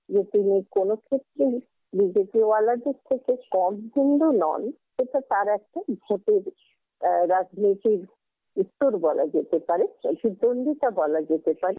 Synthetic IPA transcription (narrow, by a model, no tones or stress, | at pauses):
d͡ʑet̪inikonokʰet̪ːɾe | bid͡ʑepiwalad̪eɾt̪ʰːekekɔmɦind̪unɔ̰n | ʃeʈat̪aɾɛk̚ʈabʱoʈeɾ | ɾad͡ʑnit̪iɾ | ut̪ːoɾbɔla̰d͡ʑet̪epaɾebʱid̪ond̪iʈabɔlad͡ʑet̪epaɾe